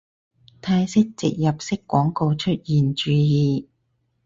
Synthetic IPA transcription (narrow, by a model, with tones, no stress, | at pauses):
t̪ʰaː˧jsɪ˥k̚t͡sɪ̰˨k̚jɐ˨˩p̚sɪ˥kːwɔː˨˥ŋko˧wt͡ʃʰɵ˥t̚jiː˨nt͡ʃyː˧jiː˨